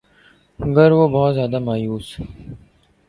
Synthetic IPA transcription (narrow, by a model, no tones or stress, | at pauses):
ɡɐɾʋoːbɔːt̪zjaːd̪amaːjuːs